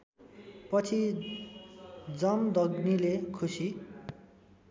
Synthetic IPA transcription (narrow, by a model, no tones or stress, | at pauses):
pʌt͡sʰi | d͡zʌmd̪ʱʌɡnilekʰusi